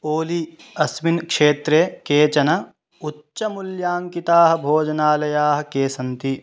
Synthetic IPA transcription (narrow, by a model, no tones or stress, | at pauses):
oːliɐsminkʂeːt̪ɾeːkeːt͡ʃɐnɐ | utːʃɐmuljaːŋkit̪aːɦɐ̆bʱoːd͡ʒɐnaːlɐjaːɦɐ̆keːsɐnt̪i